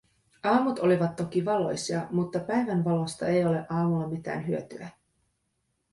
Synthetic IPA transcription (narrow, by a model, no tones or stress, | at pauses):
ɑːmut̪o̞liʋɑt̪ːo̞k̟iʋɑlo̞̰jsiɑmut̪ːɑpæjʋænʋɑlo̞st̪ɑe̞jo̞le̞ʔɑːmulːɑmit̪æ̰ːnɦyø̞t̪y̰æ